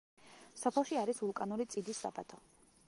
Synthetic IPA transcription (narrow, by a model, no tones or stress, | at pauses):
sɔpʰɛlˠʃiaɾisulˠkʼanuɾit̪sʼid̪isːa̰bat̪ʰɔ